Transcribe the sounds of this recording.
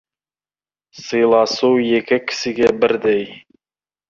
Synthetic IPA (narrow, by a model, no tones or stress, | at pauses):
sɤjlˠɑsuwjekʲɪkʲʰɪ̥sɪɡʲebɪɾd̪ej